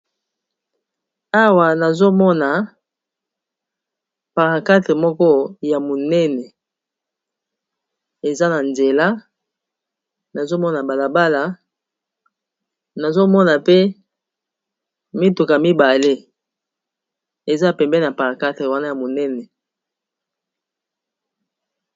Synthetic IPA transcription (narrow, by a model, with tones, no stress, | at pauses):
a˦wa˨na˨zo˦mɔ˦na˨ | pa˨ʁã˨ka˦tʁe˨mɔ˦kɔ˦ja˨mo˨nɛ˦nɛ˨ | e˨za˦na˨nze˨la˦ | na˨zo˦mɔ˦na˨ba˨la˨ba˦la˨ | na˨zo˦mɔ˦na˨pe˦ | mi˦tu˨ka˨mi˦ba˨le˦ | e˨za˦˨pɛ˨mbɛ˦˨a˨pa˨ʁã˨ka˦te˨wa˦na˦ja˨mo˨nɛ˦nɛ˨